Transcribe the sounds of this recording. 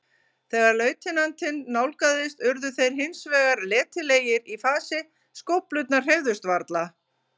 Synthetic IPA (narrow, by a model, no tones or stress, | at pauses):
θɛːɣaɾlœːɥt̪ʰɪnant̪ɪnːawlkaðɪst̪ʏɾðʏθejɾ̥ɦɪnsvɛːɣaɾlɛːt̪ɪleːjɪɾifaːsɪ | skowhplʏt̪̚nḁr̥ejvðʏst̪vaɾt̪la